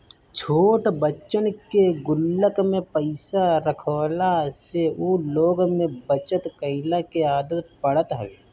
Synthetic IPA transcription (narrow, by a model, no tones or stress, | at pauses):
t͡ʃʰoːʈbəːt͡ʃːənkeɡʊlːəkmẽpəɪsaɾəkʰːlaseuːloːɡmẽbət͡ʃət̪kəɪlakeaːd̪ət̪pəɽ̤ət̪ɦɛʋeː